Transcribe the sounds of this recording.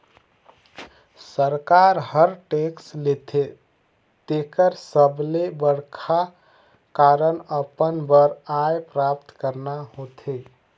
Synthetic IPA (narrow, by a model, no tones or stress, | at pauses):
səɾkaɾɦəɾʈekslet̪ʰe | t̪ekəɾsəblebəɽkʰa | kaɾənəpənbəɾajpɾap̚t̪kəɾnaɦot̪ʰe